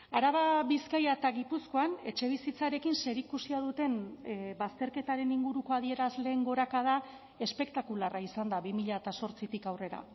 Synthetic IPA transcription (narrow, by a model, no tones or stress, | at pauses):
aɾaβaβiskajat̪aɣipusko̞ane̞t͡ʃe̞β̞isit͡saɾe̞kinse̞ɾikusiað̞ut̪e̞nbast̪e̞ɾke̞t̪aɾe̞niŋɡuɾuko̞aðie̞ɾazle̞ːŋɡo̞ɾakað̞a | e̞spe̞kt̪akularaisand̪aβimiʎaet̪aso̞ɾt͡sit̪ikawre̞ɾa̰